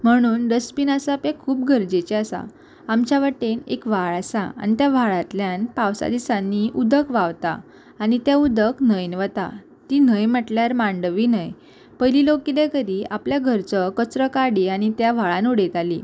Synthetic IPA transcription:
m̤əɽ̃uːnɾəspinasapẽkʰuːp̚ɡʱəɾd͡ʑet͡ɕeasa̰ː | mt͡ɕjaʋəʈenḛkʋ̤aɭasa̰a̰ñit̪jaʋ̤ʱaɭãt̪ljãnpaʋsa̰d̪isãnːiʔud̪əkʋaʋt̪a̰ː | ñit̪jaud̪əknəjnʋət̪a̰ | t̪inəjməʈljaɾmãɳɖʋinəj | pəjlilokilekəd̪iapljaɡʱəɾt͡səkət͡sɾəkaɽiaɽ̃it̪jaʋ̤aɭãnuɽet̪alḭ

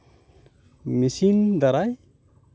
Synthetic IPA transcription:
misind̪aɾaj

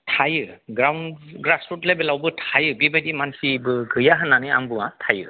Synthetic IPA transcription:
tʰajɯɡɾawnɡɾasɹutlɛbɛlawbɯtʰajɯbibadimansibɯɡɯjaɦanːanɯa̰mbɯŋatʰajɯ̰

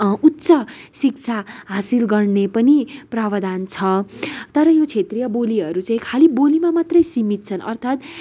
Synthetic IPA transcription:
ut̪sʌsik̚t͡sʰaɦasilɡʌrnepʌniprabʌd̪ant͡sʰʌt̪ʌɾʌjot͡sʰet̪rijʌboliɦʌɾut͡saĩkʰalibolimamat̪rʌjsimit̪̚t͡sʰʌnʌrt̪ʰat̪

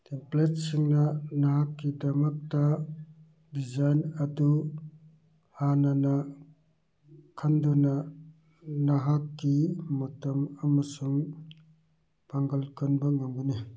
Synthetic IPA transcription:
templet̚siŋnanaɦakːidɐmɐk̚ta | bizajnɐdu | hanana | kʰandɔna | naɦakːimɔtɐmɐmɐsuŋ | paŋɡɐlkʰɯnbɐŋaŋɡuni

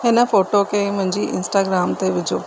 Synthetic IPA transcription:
ɦɪnə̆foːʈokʰemʊ̃ɦɪ̃ɲd͡ʑiʔɪ̰̃nsʈaːɡɾaːmt̪eʋɪd͡ʑʱoː

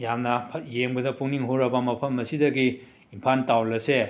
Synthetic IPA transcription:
jamnɐpʰjeŋbɐdɐpuŋniŋɦoɾɐbɐmɐpʰɐmːɐsidɐɡiː | mpʰantawlɐse

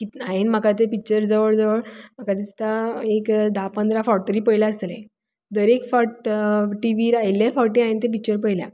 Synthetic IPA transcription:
kiainm̤akat̪̬epik̚t͡ɕəɾd͡zəʋəɭd͡zəʋəɭm̤akat̪ist̪aekd̪apə̃nd̪ɾafɔʈ̚t̪əɾiːpəjlaəst̪əlã̰ | d̪əɾekfɔʈʈiʋiɾajljafɔʈĩaint̪̬ep̬ik̚t͡ɕəɾp̬əjlja̰

